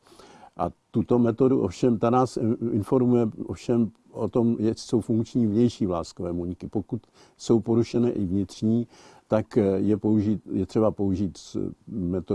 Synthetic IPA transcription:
ʔa̰t̪ut̪o̞mɛt̪o̞duʔo̰fʃɛmt̪anaːsɪnfo̞ɾmujɛʔofʃɛm | ʔot̪o̞mjɛso̞wfuŋkt͡ʃɲiːvɲɛjʃiːvlaːskovɛːmuɲɪkɪpo̞kut̪ | so̞wpo̞ɾuʃɛnɛːʔɪvɲɪt̪r̝̥ɲiː | t̪akjɛpouʒiːt̪jɛt̪r̥ɛbapo̞uʒiːt̪smɛt̪o

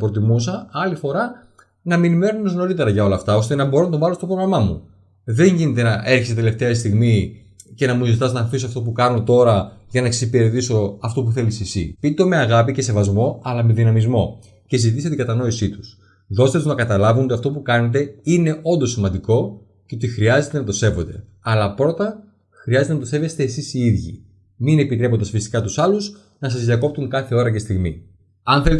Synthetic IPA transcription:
pɾot̪̬imusɐɐlifo̞ɾɐ | nɐminime̞ɾonozno̞ɾit̪e̞ɾɐʝɐo̞lɐft̪ɐo̞st̪e̞nɐbo̞ɾo̞nɐt̪ovɐlo̞st̪o̞pɾoɣɾɐmɐmṵ | ðe̞ɲʝinet̪e̞nɐʔe̞ɾçesit̪ele̞ft̪e̞ɐst̪iɣmi | ce̞nɐmuizit̪ɐznɐɾfisoɐft̪o̞p̬ukɐno̞t̪o̞ɾɐʝɐnɐeksipeɾðiso̞ɐft̪o̞puθe̞lisisḭpit̪o̞me̞ɐɣɐpice̞se̞vɐzmo̞ɐlɐme̞ðinɐmizmo̞ | cezizit̪iset̪iɡɐt̪ɐno̞isit̪u̥s | ðo̞st̪e̞t̪uznɐkɐt̪ɐlɐvuno̞t̪iɐft̪o̞pukɐne̞t̪̬e̞ine̞ʔo̞nd̪o̞simɐnd̪iko̞ | ce̞ot̪ixɾiɐze̞t̪enɐt̪ose̞vo̞d̪e̞ | ɐlɐpɾo̞t̪ɐ | xɾiɐzt̪enɐt̪sevest̪e̞ːsisiiðʝḭ | mine̞pit̪ɾe̞po̞nd̪ɐsfisi̥kɐt̪usɐluz | nɐs̬ɐzðiɐko̞p̚t̪uŋkɐθe̞o̞ɾɐce̞st̪iɣmḭ | ɐnθelet

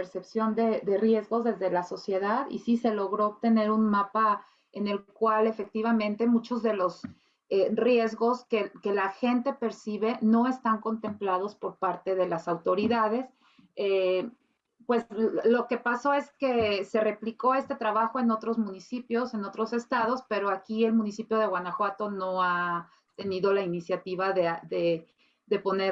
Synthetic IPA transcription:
eɾse̞psjo̞nd̪e̞ðe̞rje̞zɣo̞zðe̞zðe̞laso̞sje̞ðaðḭsise̞lo̞ɣɾo̞ːpt̪e̞ne̞ɾunmapa | e̞ne̞lkwale̞fe̞k̚t̪iβ̞amẽ̞nt̪e̞mũt͡ʃo̞zðelo̞s | erje̞zɣo̞skeke̞laxe̞nt̪e̞pe̞ɾsiβe̞no̞e̞st̪aŋko̞nt̪e̞mplað̞o̞spo̞ɾpaɾt̪e̞ð̞e̞lasawt̪o̞ɾiðað̞e̞s | e | pwe̞slo̞ke̞paso̞e̞ske̞se̞re̞pliko̞e̞st̪e̞t̪ɾaβaxo̞e̞no̞t̪ɾo̞zmũnisipjo̞se̞no̞t̪ɾo̞se̞st̪að̞o̞spe̞ɾo̞akie̞lmũnisipjo̞ð̞e̞ɣwanaxwat̪o̞no̞a | t̪e̞niðo̞lainisjat̪iβaðeðe | ðe̞po̞ne

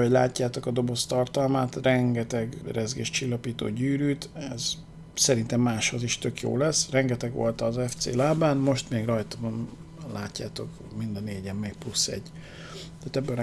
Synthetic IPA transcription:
oɟlaːcːaːt̪o̞kɒd̪o̞bo̞st̪ɒrt̪ɒlmaːt̪rɛŋɡɛt̪ɛɡrɛzɡḛːʃt͡ʃilːɒpiːt̪o̰ːɟyːɾyːt̪ɛz | sɛɾint̪ɛmːaːʃho̞ziʃt̪ø̞kjo̰ːlɛsrɛŋɡɛt̪ɛɡʋo̞̰lt̪ɒːzɛft̪sḛːlaːbaːnmo̞ʃt̪meːɡrɒjt̪ɒbɒnlaːcːaːt̪o̞k | mind̪ɒneːɟɛmːeːk̚plusːɛ̰ɟː | t̪aːt̪ɛbːøɾ

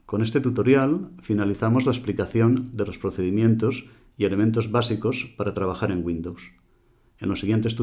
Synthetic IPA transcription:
ko̞nest̪e̞t̪ut̪o̞ɾjalfinaliθamo̞zlaesplikaθjo̞nd̪e̞lo̞spɾoθe̞ðimjẽ̞nt̪o̞s | ie̞le̞mẽnt̪̬o̞zβasiko̞spaɾat̪ɾaβ̞axaɾe̞ŋɡwĩnd̪ows | e̞̰nlo̞siɣjent̪est̪u

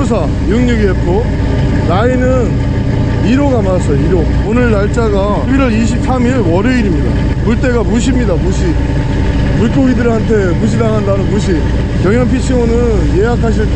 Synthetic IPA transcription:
os̬ʰa | juŋɲuɡiepʰo | nainɯn | iɾoɡamaas͈ʌjoiɾo | onɯɭnaɭt͡ɕ͈aɡa | biɾʌɾiɕ̬ʰip̚s͈ʰamiɭwʌɾɯiɾimɲida̰ | muɭt͈e̞ɡamuɕ̬ʰimɲidamuɕʰi | muɭkʰoɡidɯɾantʰe̞muɕ̬ʰidaŋɦandanɯnmuɕ̬ʰi | kjʌŋjʌŋp̬ʰit͡ɕʰionɯnje̞ɦakʰaɕ̬ʰiɭt

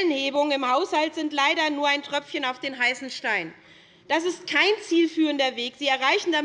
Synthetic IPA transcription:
ənheːbʊŋənɪmhaʊshaltz̥ɪntlaɪɾɐnuːɐaɪntʁ̥œfçənaʊfd̥eːnɦaɪsn̩ʃtaɪn | d̥as̬ɪst̚kʰaɪnt͡siːlfyːʁəndɐveːkz̥iːɛɐʁaɪçn̩da

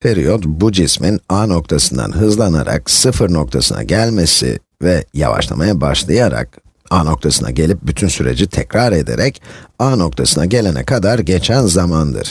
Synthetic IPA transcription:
feɾijod̪bud͡ʒisminaːno̞k̚t̪ʰasɯnd̪a̰nɦɯzlˠana̰ɾa̰k̚sɯfɯɾno̞kt̪ʰasɯnʔa̰ɟælʲme̞sḭ | vɛja̰va̰ʃlˠamajabaʃlˠajaɾa̰k̚ | aːno̞k̚t̪ʰasɯna̰ɟe̞lʲip̚byt̪ʰynsyɾe̞̰d͡ʒit̪ʰɛcɾaɾe̞d̪e̞̰ɾɛcaːno̞k̚t̪ʰasɯnaɟe̞lʲe̞nɛ̰kʰad̪aɾɟe̞t͡ʃʰænzamand̪ɯ̰ɾ̥

